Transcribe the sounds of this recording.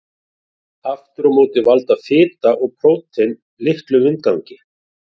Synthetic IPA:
aft̪ʏɾmoːwt̪ɪvalt̪afɪːt̪aʔɔɣpʰɾowt̪ɪn | lɪhklʏvɪnt̪̚kawɲcɪ

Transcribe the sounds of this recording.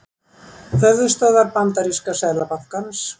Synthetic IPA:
θœðʏst̪aːðaɾpant̪aɾiskasɛːlapaθkans

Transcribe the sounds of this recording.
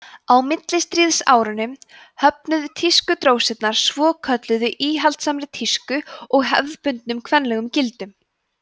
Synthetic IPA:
awmɪt̪lɪst̪ɾiːðsa̰ːwɾʏnʏm | hœp̚nʏðʏt̪ʰiskʏt̪ɾoːwsɛt̪naɾ̥svɔːkʰœt̪lʏðʏʔiːɦalt̪samɾɪt̪ʰiskʏɔɣɦɛ̰vðpʏnt̪nʏmkʰvɛnlɛɣʏmcɪlt̪ʏm

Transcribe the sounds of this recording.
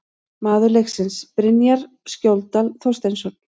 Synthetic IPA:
maːðʏɾlexsɪnspɾɪnjaɾ | scowlt̪alθɔ̥st̪ensɔn

